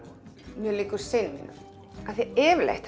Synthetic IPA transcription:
mjœlɪːkʏɾ̥sɪjnːɪ̰nʏ̰ | aθiɛːvlḛht̪

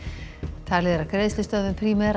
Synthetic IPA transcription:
t̪ʰaːlɪðɾakɾeːðslɪst̪œðmʏpʰɾiːmɛɾ

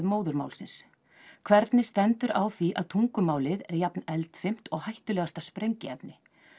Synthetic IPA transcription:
ðmoːwðʏɾma̰wlsɪns | kʰvɛɾt̪nɪst̪ɛnt̪ʏɾʔa̰wθiʔa̰ðt̪ʰuŋkʏmaːwlɪðɛɾjapnɛlt̪fɪm̥t̪ɔɣhajht̪ʏlɛɣast̪aspɾejɲcɪɛp̚nɪ

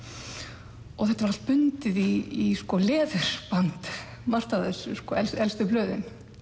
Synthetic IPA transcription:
ɔɣθɛht̪avaɾalt̪̚pʏnt̪ɪðiiskɔlɛːðʏɾ̥pant̪mar̥t̪aðɛsːʏskɔɛlsɛlst̪ʏplœːðɪn

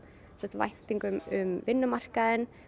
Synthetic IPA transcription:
sɛht̪va̰jht̪iŋkʏmʏmvɪnːʏmar̥kaðɪn

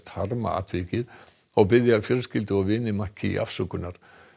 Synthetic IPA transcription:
t̪haɾma̰a̰t̪ʰveːcɪð | ɔɣpɪðjafjœɾscɪlt̪ɪɔvɪnːɪmacʰɪḭʔa̰fsœkʏnːaɾ̥

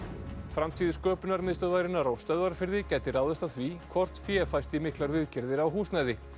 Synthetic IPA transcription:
fɾamt̪ʰiːðɪskœːpʏnaɾmɪðst̪œðvajɾɪnaɾawst̪œðvaɾfɪɾðɪcɛːjt̪ɪɾaːwðɛst̪aθvikʰvɔr̥t̪fjɛfajst̪imɪhklaɾvɪðcɪɾðɪɾawɦuːsnajðɪ

